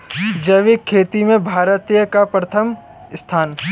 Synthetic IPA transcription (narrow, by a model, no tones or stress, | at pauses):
d͡ʒɐʋɪkʰːeːt̪imẽbʱaːɾət̪ijəkapɾɐt̪ʰəm | st̪ʰaːn